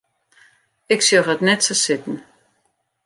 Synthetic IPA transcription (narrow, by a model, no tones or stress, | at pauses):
ɪksjoχətnɛtsəsɪtn̩